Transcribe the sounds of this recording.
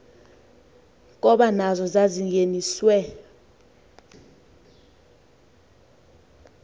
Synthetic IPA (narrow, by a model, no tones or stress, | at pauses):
k̬ʼɔɓanazɔzaziŋɡeniswɛ